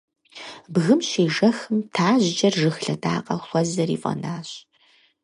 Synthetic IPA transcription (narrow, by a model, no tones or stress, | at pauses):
bɣɨmɕeːʒɐxɨmtʰaːʑd͡ʒʼɐrʒɨxɬɐdʰʼa̰ːqʼɐxʷɔzɐrḭːfʼɐ̰naːɕ